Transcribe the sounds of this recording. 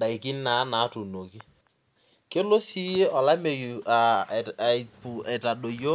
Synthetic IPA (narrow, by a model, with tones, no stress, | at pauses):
da˨i˨kɪ˦n˦na˨˦na˨˦tu˨no˨ki˦ | ke˦lo˦si˦je˦ʔɔ˨la˦me˨ja˨ | pu˨e˨ta˨ɗo˨jo˦